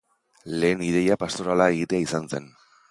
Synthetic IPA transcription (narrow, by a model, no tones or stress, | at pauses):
le̞ːniðe̞japast̪o̞ɾalae̞ɣ̞it̪eaisanse̞n